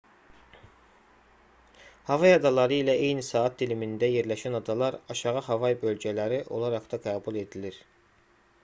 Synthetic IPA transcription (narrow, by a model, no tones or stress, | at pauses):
hɑvɑjɑd̪ɑlˠɑɾɯilæʔe̞jnisɑːɑt̪̚d̪ilimind̪æje̞ɾlæʃænɑd̪ɑlˠɑɾɑʃɑʁɑɦɑvɑjbø̞lɟælæɾiʔo̞̰lˠɑɾɑχd̪ɑɡɑːbulˠe̞d̪iliɾ